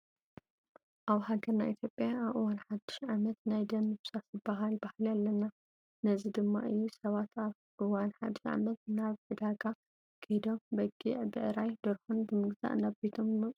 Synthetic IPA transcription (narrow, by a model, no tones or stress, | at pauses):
ʔaβhaɡɐɾnajʔit̪ʰjo̞pʼjaaβʔɨwanħad̪ːɨ̥ʃʕamɐt̪najd̪ɐnːɨβsatzɨbːaɦalbahlalːɐnːa | nɐzid̪ɨmːa̰ʔɨjːusɐβat̪ʰaβ | ʔɨwanħa̰d̪ɨʃʕa̰mɐt̪̚naβʕɨd̪aɡa | kʰed̪o̞mbɐɡiʕbɨʔɨɾajd̪ɐɾxunbɨmɨɡza̰ʔnaβbet̪ʰomzmɐt͡sʼ